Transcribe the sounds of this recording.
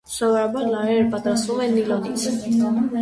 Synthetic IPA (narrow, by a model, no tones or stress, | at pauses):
sɔvɔɾɑbɑɾlɑɾɛɾəpɑt̪ɾɑst̪vumɛnːilɔnit͡sʰ